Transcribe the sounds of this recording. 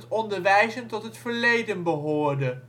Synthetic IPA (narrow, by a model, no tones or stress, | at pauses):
tɔndəɹʋɛjzəntɔtɦətfəɹlejdənbəɦʊːɹdə